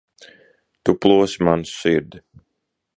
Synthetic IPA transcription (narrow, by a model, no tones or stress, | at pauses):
t̪uplˠuɔsimanssiɾd̪ɪ